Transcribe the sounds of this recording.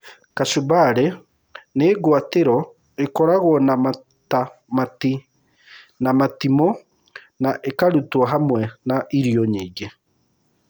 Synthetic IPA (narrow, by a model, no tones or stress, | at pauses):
kasubaɾɛ | neɡwateɾɔ | ekɔɾaɣwɔnama | tamati | namatimɔ | naʔekaɾutwɔɦamwɛnaʔiɾiɔɲiːɡe